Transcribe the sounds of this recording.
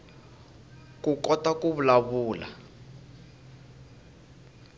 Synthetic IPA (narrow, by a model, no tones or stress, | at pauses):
kukɔtakuβulaβuːla̰